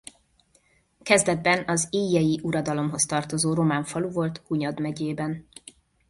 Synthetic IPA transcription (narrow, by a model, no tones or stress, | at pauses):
kɛzd̪ɛd̪̚bɛnɒziːjːɛjiʔuɾɒd̪ɒlo̞mɦo̞st̪ɒrt̪o̞zoːɾo̞maːɱfɒluvo̞lt̪huɲɒd̪mɛɟeːbɛn